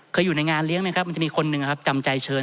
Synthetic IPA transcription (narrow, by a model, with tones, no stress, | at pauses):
kʰɤː˧jːuː˨˩na˧˥jŋaː˧nli˦˥əŋma˦˥ka˦˥p̚ma˧t͡ɕmiː˧kʰo˧nːɯ˨ŋa˩kʰa˦˥p̚t͡ɕa˧mt͡ɕa˧jt͡ɕʰɤː˧